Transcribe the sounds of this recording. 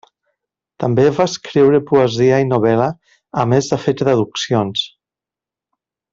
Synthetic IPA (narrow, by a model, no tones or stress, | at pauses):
t̪ambevaskɾiwɾepuəziainoβ̞ɛləː | mezðəfet̪ðəðuksions